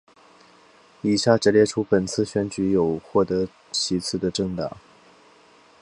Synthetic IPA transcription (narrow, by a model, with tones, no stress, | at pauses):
i˨˩ɕja˥˩ʈ͡ʂɤ˧˥ljɛ˥˧ʈ͡ʂʰu˥pə˨˩nt͡sʰɹ̩˥˩ɕɥɛ˧˥nt͡ɕy˧˥jo˨˩ʊxwɔ˥˩t̪ɤ˧˥ | t͡ɕʰi˧˥t͡sʰɹ̩˥˩d̪ə˩ʈ͡ʂɤ˥˩ŋt̪ɑ̰˨˩˦ŋ